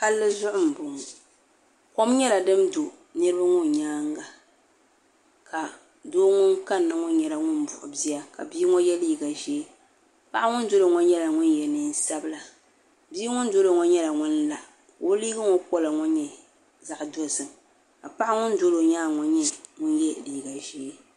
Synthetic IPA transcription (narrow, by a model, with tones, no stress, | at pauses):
ka˦lːɨ˦zʊ˦ʔʊ˦m̩˨bʊ˨ŋʊ˨ | ko˦mɲɛ˦la˨dɨ˦mdo˨ | nɨ˦ɾɨ˦ba˦ŋʊ˦n˨ɲaː˦ŋɡa˨ | ka˨ | doː˦ŋʊ˦ŋka˦nːɨ˨ŋɔ˦ɲɛ˨la˨ŋʊ˦n˦bʊ˨ʔʊ˨bi˦a˦ka̰˨biː˦ŋɔ˦jɛ˦liː˦ɡa˨ʒɛ˦ | pa˦ʔŋʊ˦n˦do˦lo˨ŋɔ˦ɲɛ˦la˨ŋʊ˦njɛ˨nɨ˦n˦sa˦bɨ˦la˨ | biː˦ŋʊ˦n˦do˦lo˨ŋɔ˦ɲɛ˦la˨ŋʊ˦nla˦ʔ | ko˦liː˦ɡɨ˦ŋɔ˦kɔ˦la˨ŋɔ˦ɲɛ˨ | za˦ʔdɔ˦zɨ˨m | ka˨pa˦ʔŋʊ˦n˦do˦lo˨ɲaː˦ŋɔ˨ɲɛ˦ŋʊ˦njɛ˦liː˦ɡa˨ʒe˦